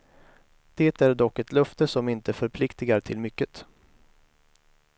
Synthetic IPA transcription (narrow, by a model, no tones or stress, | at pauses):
d̪̥eːt̪æɖɔkːɛt̪lœft̪əsɔmɪnt̪əfœɾpʰlɪkt̪ɪɡaɾʈ̪ʰɪlmʏkːət̪